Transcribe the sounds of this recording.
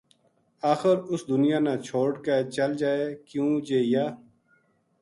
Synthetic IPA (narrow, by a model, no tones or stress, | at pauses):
aːxəɾʊsd̪ʊnɪjaːnaːt͡ʃʰoːɽkət͡ʃəld͡ʒaːeːkjũːd͡ʒeːjaː